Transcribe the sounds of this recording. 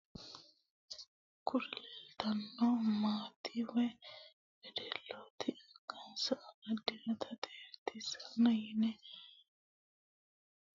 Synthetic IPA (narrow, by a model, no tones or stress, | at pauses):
kʊɾlɛlt̪ɐnːɔmaːt̪iwɔj | bɛd̪ɛlːoːt̪ʰɪʔɐɡɐnsɐʔɐɡɐd̪ɪnɐt̪ʰɐt̪ʼeːɾt̪ːɪsɐnːɐjɪnɛ